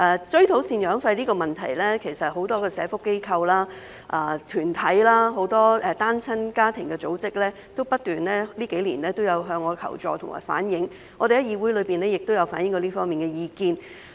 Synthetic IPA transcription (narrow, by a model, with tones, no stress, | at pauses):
ʔɛː˨˧t͡ʃɵ˥ɥt̪ʰo˨˥wsiː˧njœː˨˥ŋfɐ˧jliː˥kɔː˧mɐ˨nt̪ʰɐ̰˨˩jlɛː˥kʰe˨˩jsɐ˨t̚ɦo˨˧˥wt̪ɔː˥kɛː˧sɛː˨˥fʊ˥kːe˥jkʰɐ˧wlaː˥ | ʔaː˧˩t̪ʰyː˨˩nt̪ʰɐ˨˥jlaː˥ɦo˨˥wt̪ɔː˥ɛ˨˧t̪aː˥nt͡sʰɐ˥nkaː˥t̪ʰɪ˨˩ŋkɛː˧t͡so˨˥wt͡sɪ˥k̚lɛː˥ | t̪o˥wpɐ˥t̚t̪ːyː˨˩nlɛː˥liː˥ke˨˥jliː˨˩nlɛː˥t̪o˥wjɐ˨˧wɦœː˧ŋːɔː˨˧kʰɐ̰˨˩wt͡ʃɔ̰ː˧t̪ʰʊ˨˩ŋma̰ː˨˩jfa̰ː˨˥njɪ˨˥ŋ | ɔː˨˧ɾe˨jɐ˥jiː˧wu˨˥jlɵ˨˧piː˨˩nlɛː˥jɪ˨k̚t̪o˥wjɐ˨˧wfaː˨˥njɪ˨˥ŋkɔː˧liː˥fɔː˥miː˨nkɛ˧jiː˧kiː˧n